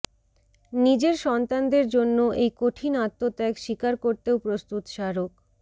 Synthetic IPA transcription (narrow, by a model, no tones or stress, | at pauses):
nid͡ʑeɾʃɔnt̪and̪eɾd͡ʑonːoʔejkoʈʰinat̪ːot̪ɛkʃikaɾkoɾt̪eopɾost̪ut̪ʃaɾok